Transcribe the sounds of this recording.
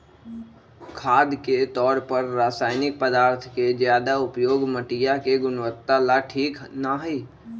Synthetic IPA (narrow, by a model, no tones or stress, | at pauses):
kʰaːd̪ket̪ɔːɾpəɾːaːsaːɪnɪk̚pəd̪aːɾt̪ʰked͡ʒjaːd̪aʊpjoːɡməʈɪjakeɡʊnʋət̪ːalaʈʰiːknaɦiː